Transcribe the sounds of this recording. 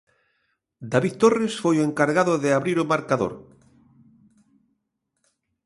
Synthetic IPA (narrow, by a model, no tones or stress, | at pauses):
d̪aβiðt̪oresfojoeŋkaɾɣaðoðeaβɾiɾomaɾkaðo̰ɾ